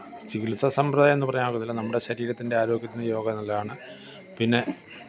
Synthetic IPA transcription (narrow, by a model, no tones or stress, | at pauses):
t͡ɕikilsɐsɐmprɐðaje̞nːɨpɐrɐjumaːɣunːilːɐnɐmːuɽe̞ɕɐɾiːɾɐt̪ːinde̞aːɾo̞ːɡjɐt̪ːinɨjo̞ːɡɐnɐlːɐaːɳɨ | pinːe̞